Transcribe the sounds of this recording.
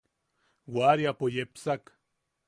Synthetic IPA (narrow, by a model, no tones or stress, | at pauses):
waɾjapojepsak